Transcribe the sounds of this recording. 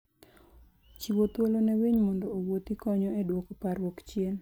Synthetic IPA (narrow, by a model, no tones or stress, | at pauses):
t͡ʃiwot̪wolonɛwiɲmɔndɔːwot̪ikɔɲɔedwokopaɾwɔkt͡ʃjen